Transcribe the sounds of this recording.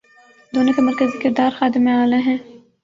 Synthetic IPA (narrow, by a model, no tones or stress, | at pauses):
d̪oːnõkemɐɾkəzikɪɾd̪aːɾxaːd̪ɪmeaːleɦɛ̃ː